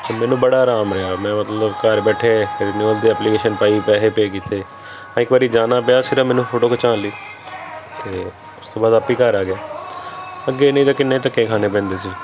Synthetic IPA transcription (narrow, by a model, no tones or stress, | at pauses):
t̪eːmɛːnũːbəɽaːɾaːmɾɪɦaːmɛ̃ːmət̪ləbkəɾbɛːʈʰeːɾiniːəld̪iːɛːpliːkeːʃənpaːiːpɛːɦeːpeːkiːt̪ʰeː | ãːɪkʋaːɾiːd͡ʒaːnaːpɪaːsɪɾəmɛːnũːfʰoːʈoːkʰət͡ʃãːliː | t̪eː | ʊst̪oːbaːd̪aːpːiːkəɾaːɡɪjaː | əɡːeːnẽĩːt̪̬ãːkɪnːẽːt̪əkːẽːkʰaːnẽːp̬ɛ̃ːnd̪eːsiː